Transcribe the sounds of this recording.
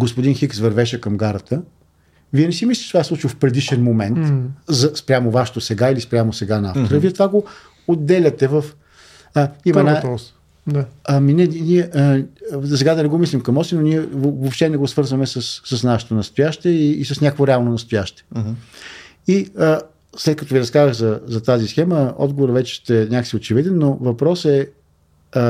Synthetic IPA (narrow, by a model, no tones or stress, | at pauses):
ɡospod̪inxiksvɐɾvɛʃɛkɐmɡaɾət̪ə | viɛnɛsimislʲit͡ʃt̪vaslˠut͡ʃilfpɾɛd̪iʃɛnmomɛnt̪zɐspɾʲamovaʃɛ̥t̪osɛɡailispɾʲjamosɛɡana̰ft̪oɾəviɛt̪ovaɡo | od̪ːɛlʲət̪ɛvəf | aimɐnpɔs | d̪aaminɛnʲiɛʔəs̬ɛɡad̪ɐnɛɡomislʲimkɐmɔsinoniɛvopʃt̪ɛnɛɡosvɤɾzvɐmɛsəsːəsnaʃɛ̥t̪onɐst̪ojaʃt̪ɛiːsəsnʲakəkvoɾɛalˠnonɐst̪ojaʃt̪ɛ̥ | iə | slɛt̪̚kɐt̪ɔviɾɐskazəɣzɐzɐt̪azisxɛməɔ̰d̪ɡovoɾvɛt͡ʃɛ̥st̪ɛnʲakə̥siot͡ʃɛvid̪ɛnːovɐpɾɔsɛ